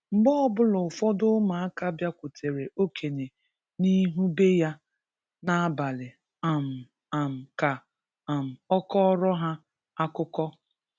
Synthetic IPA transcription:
m̩˦bɔ˦ɔ˦bʊ˦lʊ˨fɔ˦dʊ˦ma˨a˦ka˦bja˦kʷu˨tʰe˨ɾe˨ʔo˦kʰe˨ne˨ | ni˦ɦu˦be˦ja˦ | na˦a˦ba˨lɪ˨ | a˨m̩˨ | a˨m̩˨ka˨ | a˨m̩˨ɔ˦kɔ˦ɾɔ˦ɦa˦ | a˦kʊ˦kɔ˦

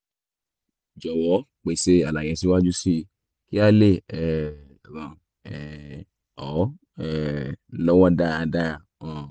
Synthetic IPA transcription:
d͡ʒɔ˨wɔ˨˦ | k͡pe˨se˧a˨la˨j̃ɛ̃˨˧si˧˦wa˦d͡ʒu˦si˧˨ | ki˦a˦le˦˨ɛ˨ | ɾã˨ | ɛ˨ | ɔ˨˦ | ɛ˦˨˦lɔ˦wa˦da˦a˧da˦a˧˨ | ɔ˨

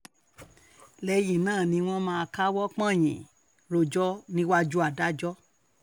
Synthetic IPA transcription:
lɛ˧jĩ˨nãː˦˨nĩ˧˦w̃ɔ̃˦mãː˧ka˦wɔ˦k͡pã˦˨j̃ḭ̃˨ | ɾo˨d͡ʒɔ˦nĩ˦wa˦d͡ʒu˦a˦˨da˦d͡ʒɔ˦

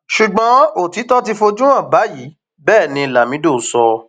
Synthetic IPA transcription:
ʃu˨ɡ͡bɔ̃˨˦o˨ti˨˦tɔ˦ti˧fo˧d͡ʒũ˦ã˦˨ba˨˦jiː˨˦ | bɛː˦˨nĩ˧˨la˨mĩ˨˦do˦˨˦sɔ˧

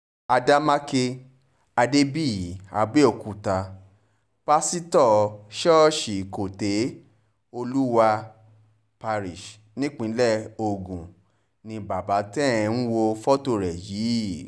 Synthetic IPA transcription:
a˧da˦ma˦ke˧ | a˧de˦bi˦˨a̰˧ɡ͡be˦o˨˧˨ku˧˨ta˧ | pa˦si˦tɔ˦˨ʃɔ˦˨ʃi˨ko˨te˨˦ | o˧lu˦wa˧ | pa˧ɾi˨ʃ | nĩ˦k͡pĩ˨˦lɛ˦˨o˧ɡũ˨ | nĩ˧ba˨ba˨˦tɛ˦˨ɛ̃˧ñ̩˦wo˧fɔ˦to˧˨ɾɛ˨jiː˨˦˨

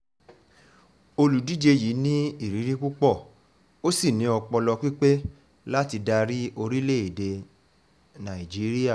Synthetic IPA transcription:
o˧lu˨di˨˦d͡ʒe˧ji˨˦nĩ˦i˦˨ɾi˨˦ɾĩ˦ku˦k͡pɔ˦˨ | o˦si˦˨nĩ˨˦ɔ˧k͡pɔ˧lɔ˧k͡pi˦k͡pe˦ | la˦ti˧da˧ɾi˦o˧ɾi˦le˦˨e˨de˧ | nã˨i˨d͡ʒi˨˦ɾi˦a˦˨

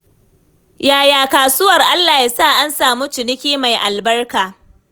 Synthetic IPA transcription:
jaː˨jaː˨kaː˨sʊ˦wɐ˨rʔa˦lːaː˨ji˨saː˦˨ʔa˦nsaː˨muː˦t͡ʃɪ˨nɪ˦kʲiː˦ma˨jʔa˨lbɐ˦rkaː˨

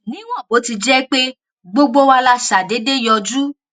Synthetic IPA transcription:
nĩ˦w̃ɔ̃˦˨o˨˦ti˧d͡ʒɛ˦k͡pe˦ | ɡ͡bo˦ɡ͡bo˦wa˧la˧ʃa˨de˨˦de˦jɔ˧d͡ʒu˦

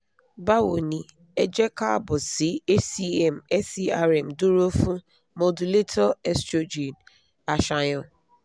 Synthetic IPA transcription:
ba˦wo˨ni˨ | e˦d͡ʒe˦ka˦bʊ˨sɪ˨˦e˦si˦ɛ˦˨m̩˨ɛ˦si˦a˦ɾɛ˨m̩˨dʊ˦ɾo˦fu˦ | mo˨du˨le˦tʰɔ˦ɛ˦stɾo˦d͡ʒi˨n | a˨ʃa˨ɲʊ˦

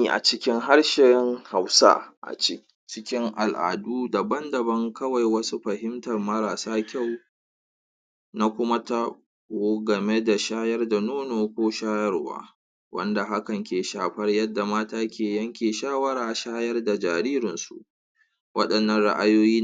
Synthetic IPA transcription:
i˨ʔa̰˨t͡ʃɪ˦kʲɪ˦ŋɦa˦ɽʃɛ˨ŋha˨wsa̰˦ʔa̰˨t͡ʃɪ˦ | t͡ʃɪ˦kʲɪ˦ŋʔa˨lʔa̰ː˨duː˦da˨bɐ˦ndɐ˨bɐ˦ŋkɐ˦wa˨jwɐ˦su˦ɸɐ˨ɦɪ˦mtɐ˨rmɐ˦ɾaː˨saː˦kʲa˦˨w | na˦kʷʊ˦ma˦ta˦ | oː˨˦ɡɐ˨me˦da˨ʃaː˦jɐ˦rda˨noː˦noː˨kʷoː˦ʃaː˦jɐ˦rwa̰ː˦ | wʔɐ̰˦nda˨ɦa˦kɐ˨ŋkʲeː˨ʃaː˨ɸɐ˦rjɐ˦dːa˨maː˦taː˦kʲeː˨jɐ˦ŋkʲeː˨ʃaː˦wɐ˦ɽaː˨ʃaː˦jɐ˦rda˨d͡ʒaː˨ɾiː˦ɾɪ˨nsṵ˨ʔ | wʔɐ̰˦ɗɐ˨nːɐ˨nɽa̰˦ʔa˦joː˦jiː˦

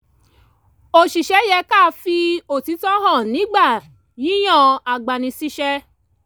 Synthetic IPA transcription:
o˧˨ʃi˨ʃɛ˨˦jɛ˧ka˦˨˧fi˧o˨ti˨˦tɔ˦ɦɔ̃˦˨nĩ˨˦ɡ͡ba˦˨ | ji˦j̃ɔ̃˦˧˨a˨ɡ͡ba˨nĩ˧si˦ʃɛ˧

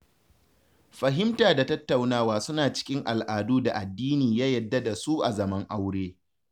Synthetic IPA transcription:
ɸɐ˨ɦɪ˦mtaː˨da˨tɐ˦tːa˨wnaː˦waː˦sʊ˦naː˨t͡ʃɪ̥˦kʲɪ˦ŋʔa˨lʔaː˨duː˦da˨ʔa˨dːiː˦niː˨jaː˦jɐ˨dːɐ˦da˨su˦ʔa˨zɐ˨mɐ˦ŋʔa˦wɽeː˦

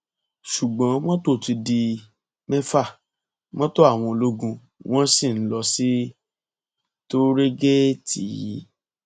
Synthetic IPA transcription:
ʃu˨ɡ͡bɔ̃˨˦wɔ̃˦to˦˨ti˧di˧ | mɛ˦fa˦˨ | mɔ̃˦to˦a˦˨w̃ɔ̃˧o˨lo˦ɡũ˧ | w̃ɔ̃˦si˦˨n̩˦lɔ˧si˦ | to˦ɾe˦ɡe˦ti˨ji˨˦

